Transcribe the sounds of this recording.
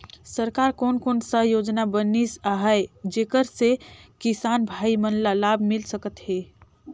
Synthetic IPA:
səɾkaːɾkoːnkoːnsəɦjoːd͡ʒnabənisaɦəed͡ʒeːkəɾsekisaːnbʱaːimənlalabʱmɪlsəkət̪ɦeː

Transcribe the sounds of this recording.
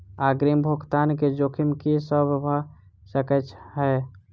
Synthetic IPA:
aɡɾimbʱokt̪anked͡ʒokʰimkisəbbʱə | səkət͡ʃʰɦə

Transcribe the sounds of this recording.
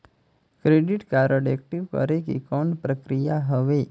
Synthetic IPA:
kɾeɖiʈkaɾəɽek̚ʈiʋkə̰ɾekekɔnpɾəkɾijaɦəʋe

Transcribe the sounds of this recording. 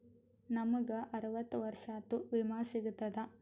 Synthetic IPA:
nɐmɐɡɐʔɐɾɐʋɐt̪ːuʋɐɾʂaːt̪uʋimaːsiɡut̪ːɐd̪ɐ

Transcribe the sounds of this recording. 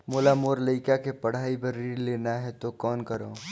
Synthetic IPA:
moːlamoːɾləɪkakepɐɽ̤aːibɐɾiɾleːnaɦɛt̪okɔːnkɐɾõː

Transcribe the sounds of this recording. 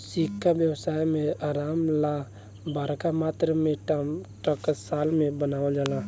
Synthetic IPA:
sikʰːabjəwsajmeaːɾamla | baɾkamat̪ɾəmeʈaʈəkəsalmebənawəld͡ʒala

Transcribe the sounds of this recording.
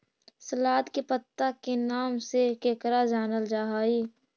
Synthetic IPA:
səlaːd̪kepət̪ːakenaːmsekeːkɾad͡ʒaːnəld͡ʒaːɦaːiː

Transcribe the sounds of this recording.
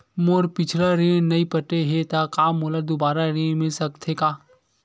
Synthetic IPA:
moɾpɪt͡ʃʰɾaɾẽːnɐĩpəʈeɦet̪akaːmolaɾd̪obaːɾaɾẽmɪ̃sɐkt̪ʰekaː

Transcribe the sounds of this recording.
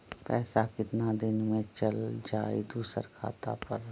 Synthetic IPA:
pɛːsakɪt̪nad̪ɪnmẽt͡ʃəld͡ʒaːid̪uːsə̰ɾkʰa̰ːt̪a̰pəɾ

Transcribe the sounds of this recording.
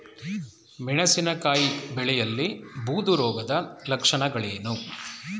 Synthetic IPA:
miɳɐsinɐkaːjibɛɭɛjɐlːibuːd̪uɾɔːɡɐd̪ɐlɐkʂɐɳɐɡɐɭeːnu

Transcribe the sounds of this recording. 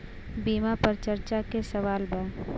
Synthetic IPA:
biːmapɐɾt͡ʃəɾt͡ʃakesəʋaːlbaː

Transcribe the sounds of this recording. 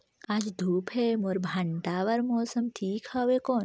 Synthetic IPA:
ad͡ʒd̪ʱuːpɦeːmoɾbʱɐɳʈaːʋɐɾmoːsɐmʈʰiːkhaʋekoːn

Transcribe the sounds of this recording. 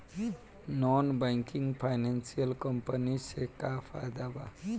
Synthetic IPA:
nɔnbajŋkiŋɡpʰajnansijəlkʌmpənisekapʰa̰d̪aba̰

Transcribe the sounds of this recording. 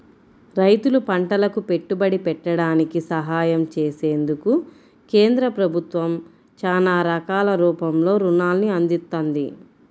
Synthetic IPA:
ɾɐjt̪ulupɐɳʈɐlɐkupe̞ʈːubɐɽipɛʈːɐɽaːnikisɐɦaːjɐmt͡ʃe̞ːse̞ːnd̪uku | keːnd̪ɾɐpɾɐbʱut̪ʋɐm | t͡ʃaːnaːɾɐkaːlɐɾuːpɐmlo̞ːɾunaːlniɐnd̪it̪ːond̪i

